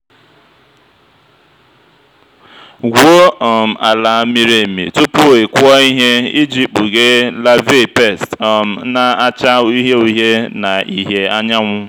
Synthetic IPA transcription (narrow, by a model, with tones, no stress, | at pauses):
ɡʷo˦ɔ˨m̩˨a˨la˨a˨mi˦ɾe˨mḭ˨tʊ˦pʊ˦˨e˨kʷʊ˦ɔ˦i˦ɦe˦i˦d͡ʒi˦k͡pu˨ɡe˦la˦vi˦˨pe˦˨stm̩˨˦na˨a˦t͡ʃa˦i˦ɦe˦u˦ɦe˦na˨i˨ɦje˨a˦ɲa˦ŋʷʊ˦